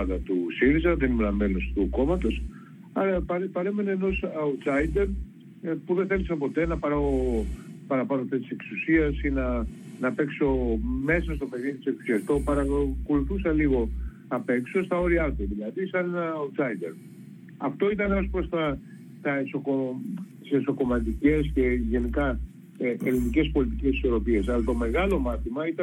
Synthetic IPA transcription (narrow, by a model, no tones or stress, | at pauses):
ɐðɐt̪usiɾizɐðenimenɐme̞lo̞st̪uko̞mɐt̪o̞s | ɐɾɐpɐɾpɐɾeme̞ne̞ːno̞sɐusɐjd̪e̞ɾ | puðeθe̞lisɐpo̞t̪e̞nɐpɐɾɐo | pɐɾɐpɐnoft̪est̪iseksusiɐsinɐnɐpe̞kso̞me̞sɐst̪o̞peɣiði̥seksu̥siɐst̪o̞pɐɾɐkoluθusɐliɣo̞ | ɐpe̞kso̞st̪ɐo̞ɾiɐt̪uðilɐðisɐnennɐːut̪sɐjd̪eɾ | ɐft̪o̞it̪ɐneo̞spɾo̞st̪ɐ | t̪ɐeso̞kot̪i̥seso̞ko̞mɐt̪̬ice̞sce̞ʝe̞nikɐ | ʔelinice̞spo̞lit̪icesi̥so̞ɾo̞pie̞sɐlɐt̪o̞me̞ɣɐlo̞mɐθimɐit̪ɐ